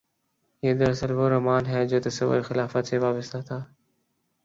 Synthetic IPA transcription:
ɦid̪əɾəsəlʋoːɾɐmaːnɦɛːd͡ʑoːt̪əsəʋə̰ɾxɪlaːfət̪seːʋaːbəst̪ʰat̪ʰaː

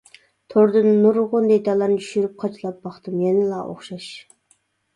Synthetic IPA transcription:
t̪ʰoɾd̪ɨnːuɾʁʊnd̪ɛjt̪ʰɑlˠɑɾnɨt͡ʃʰy̥ʃyɾyp̚qʰɑt͡ʃʰilˠɑp̚bɑχt̪ɨmjɛnɪlˠɑʔo̰χʃɑʃ

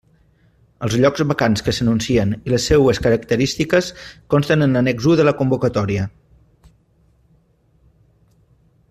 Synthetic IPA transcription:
əlˠzʎɔɡzβəkanskəsənunsiəniləsːewəskəɾəkt̪əɾist̪ikəskonst̪ənənənɛɡzuðələkumbukət̪ɔɾiə

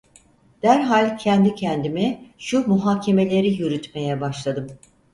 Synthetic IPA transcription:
d̪̥æɾɦalʲcʰɛnd̪icʰɛnd̪imiʃumuɦaːcʰe̞me̞lʲe̞ɾijyɾyt̪me̞jɛbaʃlˠad̪ɯm

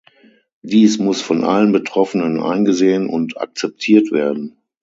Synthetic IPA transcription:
d̥iːsmʊsfɔnʔa̰lənbətʁ̥ɔfənənʔa̰ɪnɡəzeːənʔʊ̰nta̰k̚t͡sɛp̚tʰiːɐtv̥eːɐdn̩

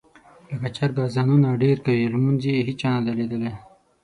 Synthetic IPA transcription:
ləkat͡ʃaɾɡɑzɑnunaɖeɾkawilmunzieɦit͡ʃanad̪aled̪əle

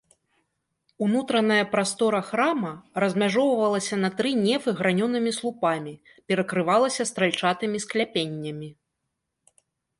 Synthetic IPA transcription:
unut̪ɾɐn̪ɐjɐpɾast̪ɔɾɐxɾamɐrɐzʲmʲaʐɔwvɐvɐlˠɐsʲɐnɐt̪ɾɨnʲɛvɨɣɾanʲɔnɨmʲislˠupamʲi | pʲɛɾɐkɾɨvalˠɐsʲɐst̪ɾalʲt͡ʂat̪ɨmʲisklʲapʲenʲːɐmʲi

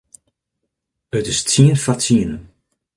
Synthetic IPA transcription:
ətɪstiənfatiənə

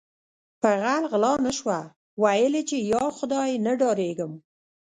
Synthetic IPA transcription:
pəɣalɣlɑnəʃwa | wajəlet͡ʃejɑxʊd̪ɑjnəɖɑɾeɡəm

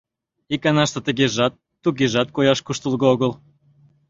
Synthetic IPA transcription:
ikɑnɑʃt̪ə̆t̪əɣeʒɑt̪ːuɣeʒɑt̪̚kojɑʃkuʃt̪əlɣəoɣəl

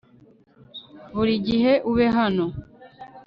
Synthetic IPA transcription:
βuɾiɟiɦe̞ʔuβeɦano

